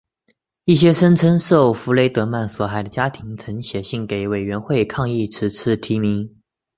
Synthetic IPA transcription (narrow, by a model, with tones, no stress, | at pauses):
i˥˩ɕ̬jɛ˥ʂə˥nt͡sʰə˥nʂo˥˩ʊfu˧˥le˧˥ɪt̪ɤ˧˥ma˥˩nswɔ˨˩xa˨˩ɪd̪ə˦t͡ɕja˥t̪ʰi˧˥ŋt͡sʰɤ˧˥ŋɕjɛ˨˩ɕi˥˩ŋke˨˩ɪwe˨˩ɪɥɛ˧˥nxwe˥˧ɪkʰɑ˥˧ŋi˥˩ʈ͡ʂʰɻ̩˧˥t͡sʰɹ̩˥˩t̪ʰi˧˥mi˧˥ŋ